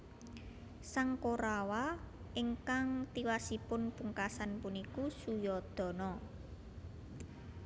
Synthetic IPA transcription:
saŋkoɾawa | ɪŋkaŋt̪iwasipʊnpuŋkasanpunikusujɔd̪̥ɔ̤nɔ

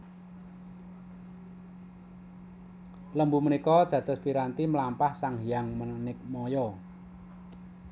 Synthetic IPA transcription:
ləmbumənikɔd̪̥ä̤d̪̥ɔ̤spiɾant̪iməlampahsaŋɦijaŋməənɪk̚mɔjɔ

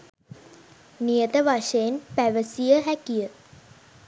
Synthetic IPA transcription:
nijət̪əʋaʂeːnpæʋəsijəɦækijə

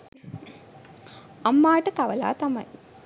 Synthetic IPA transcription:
ɐmːaːʈəkɐʋɐla̰ːt̪ɐmɐ̰j

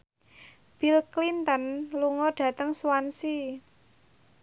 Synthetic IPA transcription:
b̥ilklint̪ənluŋɔɖ̥ä̤t̪əŋsuwansi

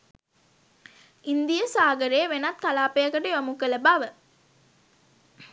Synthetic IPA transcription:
ind̪ijəsaːɡəɾejəʋenat̪̚kalaːpejəkəʈəʋamukələbaʋə

